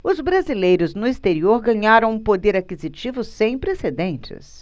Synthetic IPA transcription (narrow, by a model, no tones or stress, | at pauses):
ʊzbɾazilejɾʊznʊist̪eɾioɾɡɐ̃ɲaɾɐ̃w̃ũpod̪eɾakizit͡ʃivʊsẽj̃pɾesed̪ẽnt͡ʃɪ̰s